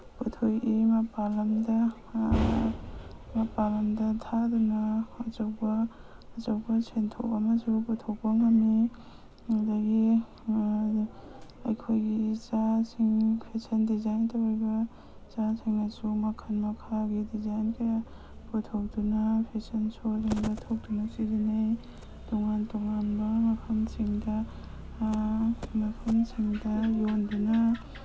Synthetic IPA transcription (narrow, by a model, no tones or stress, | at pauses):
putʰojʔimapalamda | mapalamdatʰadunaːzawbaː | zawbasʰentʰo̰wamasuput̪ʰowbaŋami | adaɡi | ajkʰojɡit͡ʃasiŋpʰesɐndizajntʰawajbɐ | t͡ʃasiŋasumakʰanmakʰaɡidizajnkʰaja | putʰawtunapʰesɐnsodiŋbatʰow̚tunasizinej | tuŋantɔŋanbamakʰamsiŋdɐ | makʰɐmsiŋdɐjonduna